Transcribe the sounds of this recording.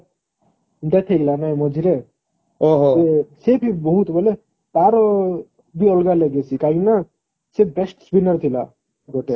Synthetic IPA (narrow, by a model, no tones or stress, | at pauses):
nd̪at̪ʰeɡlanajmʌd͡zʱiɾe | oɦesepʰibʌɦut̪bʱʌle | baɾɔ | d̪uʌlɡaleɡet͡sʰikaɦina | set̪̚besʈsbinʌrt̪ʰila̰ | ɡoʈe